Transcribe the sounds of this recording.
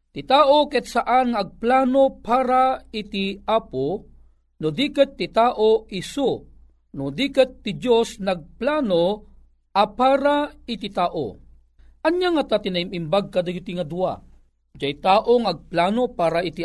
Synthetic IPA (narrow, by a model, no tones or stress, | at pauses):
t̪ɪt̪aːʔokɛt̪̚saʔanŋaːɡ̚plaːnopaːɾait̪iʔaːpo | nod̪ikɪt̪ːɪt̪aːʔoʔɪso | nʊd̪ikɪt̪ːɪd͡ʒosnɐɡ̚plaːno | ʔɐpaːɾaɪt̪it̪aːʔo̰ | ʔɐɲjaŋat̪at̪ɪnaimimbaɡ̚kɐd̪aɡit̪iŋɐd̪ua̰ | d͡ʒajt̪aːʔoŋaɐɡ̚plaːnopaːɾait̪i